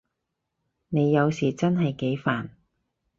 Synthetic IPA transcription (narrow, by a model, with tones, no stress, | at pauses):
ne˨˧jːɐ˨˧wsiː˨˩t͡sɐ˥nɦɐ˨jke˨˥jfaː˨˩n